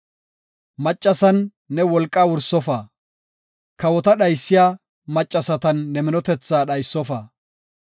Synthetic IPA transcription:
mɐt͡ʃʼːɐsɐnː | ɛwɔlkʼːaːwʊɾsːɔfaː | kɐwɔt̪ɐɗɐjsːɪjaː | mɐt͡ʃʼːɐsɐt̪ɐnːɛmɪnɔt̪ɛt͡sːaːɗɐjsːɔfaː

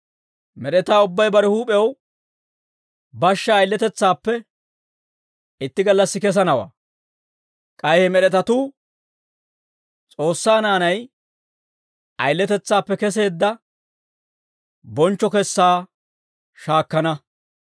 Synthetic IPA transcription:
mɛɗɛt̪aːʊbːɐjbɐɾɛhuːpʼɛɛw | bɐʃːɐːjlːɛt̪ɛt͡sːaːpːɛ | ɪt̪ːɪɡɐlːɐsːɪkɛs̬ɐnɐwa̰ː | kʼɐjhɛmɛɗɛt̪ɐt̪uː | t͡sʼo̞ːsːaːnaːnɐj | ʔɐjlːɛt̪ɛt͡sːaːpːɛkɛs̬e̞ːd̪ːɐ | bɔnt͡ʃːɔkɛsːaː | ʃaːkːɐnɐ

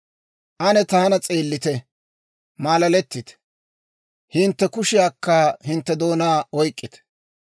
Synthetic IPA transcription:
ʔɐnɛt̪aːnɐt͡sʼe̞ːlːɪt̪ɛ | maːlɐlɛt̪ːɪt̪ | hɪnt̪ːɛkʊʃɪjaːkːɐhɪnt̪ːɛd̪o̞ːnaːɔjkʼːɪt̪

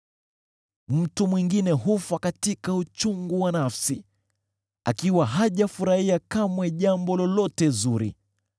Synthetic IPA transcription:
m̩tumwiŋɡinɛɦufakatikaut͡ʃuŋɡuwanafsi | a̰kiwaɦaʄafuɾahiakamwɛʄambɔlɔlɔtɛzuɾḭ

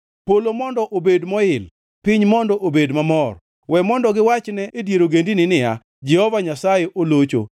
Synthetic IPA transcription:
polomɔndɔʔobedmɔɪl | pɪɲmɔndɔʔobedmamɔr | wɛmɔndɔɡɪwat͡ʃnɛʔedjeɾoɡendinɪnɪa̰ | d͡ʒɛhɔvaɲasajeʔolot͡ʃo̰

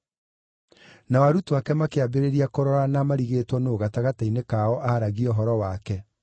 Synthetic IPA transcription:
nawaɾutwakɛmakeabeɾeɾiakoɾɔɾanamaɾiɣeːtwɔnooɣataɣatainekaɔʔaːɾaɣiɔɦɔɾɔwakɛ

